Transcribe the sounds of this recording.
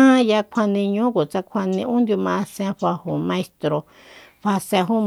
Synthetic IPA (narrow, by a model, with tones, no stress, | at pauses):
ã˦ja˧kʷʰa˧nĩ˧ɲũ˦ku˨t͡sa˦kʷʰa˧nĩ˧ũ˦nd̪ju˧mã˧sã˧ɸa˧hu˨mã˧e˧st̪ɾo˧ | ɸa˧sã˧ɦu˦